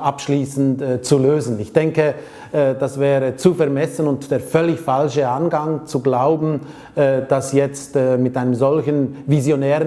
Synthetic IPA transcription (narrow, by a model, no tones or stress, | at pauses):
ʔapʃliːsn̩tːt͡suløːzn̩ɪçd̥ɛŋkə | d̥asv̥ɛːʁət͡sufɛɐmɛsənʊntd̥eːɐfœlːɪçfalʃəanɡaŋt͡suɡlaʊbn̩ː | d̥asjɛt͡stːmɪtaɪnəmzɔlçənvizjonɛːʁə